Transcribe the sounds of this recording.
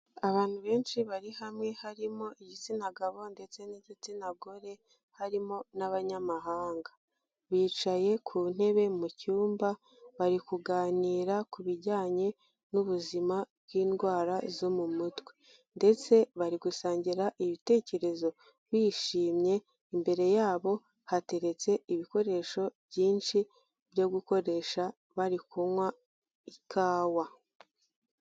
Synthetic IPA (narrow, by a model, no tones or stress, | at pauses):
aβaːn̥huβe̞ːnʃiβaɾihamŋe̞haɾimo̞ʔiɟit͡sinaɡaβo̞nde̞t͡se̞niɟit͡sinaɡo̞ɾe̞ | haɾimo̞naβaɲamaɦaːŋɡa | βiːt͡ʃaje̞kʰuːn̥e̞βe̞mucuːmba | βaɾikuɡaːniːɾakuβiɟaːɲe̞ | nuβuzimab̚ɡiːnɡwaːɾazo̞mumutwe̥ | nde̞t͡se̞βaɾiɡusaːɲɟiɾaʔiβite̞ːce̞ɾe̞zo̞ | βiːʃiːmɲe̞ | imbe̞ɾe̞jaːβo̞ | hate̞ɾe̞t͡se̞iβiko̞ɾe̞ʃo̞bjɟiːnʃi | b̥joɡuko̞ɾe̞ʃa | βaɾikumwa | ikʰaːwa